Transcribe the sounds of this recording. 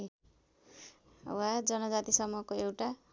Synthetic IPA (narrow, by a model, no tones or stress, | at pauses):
wad͡zʌnʌd͡zat̪isʌmukoewʈa